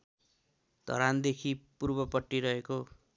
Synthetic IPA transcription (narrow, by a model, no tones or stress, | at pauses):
d̪̥ʱʌ̰ɾand̪ekʰipurbʌpʌʈːiɾʌɦeko